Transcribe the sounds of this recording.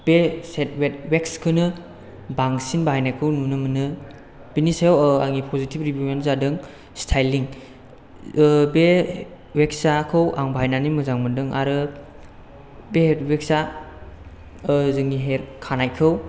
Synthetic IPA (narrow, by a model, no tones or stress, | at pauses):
b̥eset̚wet̚wekskʰɯnɯ | baŋsinbaɦajnakʰɯwnunɯmɯnɯ | b̥inisejawaŋipʰɔzitʰib̚ɾibienzadɯŋ | stʰajliŋ | be | wek̚sakʰɯwʔaŋbaajnanimɯzaŋmɯndɯŋʔa̰ɾɯ | betwek̚sa | zɯŋniɦeɾkʰanajkʰɯw